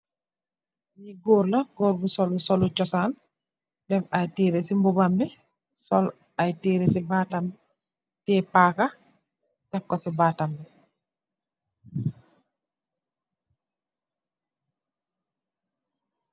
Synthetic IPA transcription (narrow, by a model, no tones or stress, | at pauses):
jiɡɔːɾlɐɡɔːɾbusɔlusɔlut͡ʃɔsaːn | bɛfajtiːɾesimbubambi | sɔl | ajtiːɾesibatambɛ | tɛːpaka | takːɔsibatambi